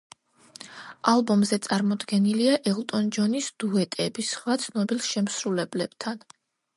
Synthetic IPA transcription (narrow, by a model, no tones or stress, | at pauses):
alˠbɔmzɛt̪sʼaɾmɔd̪ɡɛniliaʔɛlˠt̪ʼɔnd͡ʒɔnisd̪̥uɛt̪ʼɛbisχwat̪sʰnɔbilˠʃɛmsɾulɛblɛb̥̚t̪ʰan